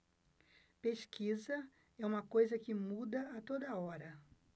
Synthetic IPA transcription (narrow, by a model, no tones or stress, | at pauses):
peʃkʰizɐ | ɛũmɐkojzɐkɪmud̪ɐat̪od̪ɐɔɾɐ